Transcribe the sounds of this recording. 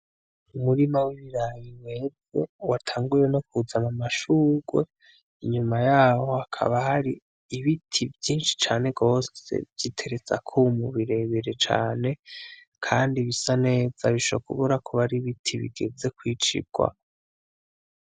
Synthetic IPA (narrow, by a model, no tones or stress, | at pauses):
umuɾimawiβiɾajiwevo̞watʰaːŋɡuɾe̞no̞kuzamamaʃuːɡwe̞ | iɲumajaːho̞akʰa̰βahaɾiː | βitʰivjiːnʃi̥t͡ʃaːne̞ɡo̞ːsḛvj̥itʰe̞ɾe̞t͡sa̰kʰumuβiɾe̞βiɾet͡ʃa̰ːne̞ | kʰaːndiβisane̞ːz̥aβiʃokuβuɾakʰuβaɾiβitʰiβḭɡe̞ze̞kwiːt͡ʃḭɡ̥wa̰